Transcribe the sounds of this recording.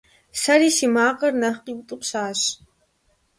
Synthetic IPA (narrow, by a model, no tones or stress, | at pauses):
sɐɾiːsimaːqɐrnɐχqiːwtʼɨpɕaːɕ